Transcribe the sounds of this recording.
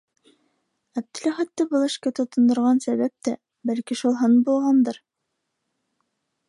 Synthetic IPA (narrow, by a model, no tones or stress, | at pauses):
æb̚d̪ɘ̆læχæt̪ːɘbɤ̆lˠɤ̆ʃkæt̪ŏt̪ŏnd̪ŏɾʁɑnsæβæp̚t̪æ | bælkiʃulˠɦɤnbulˠʁɑnd̪ɤɾ